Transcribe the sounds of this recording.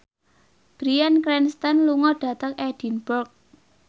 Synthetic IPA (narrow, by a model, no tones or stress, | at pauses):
b̥ɾiankɾɛnst̪anluŋɔɖ̥ä̤t̪əkɛd̥i̤nbɔrk̚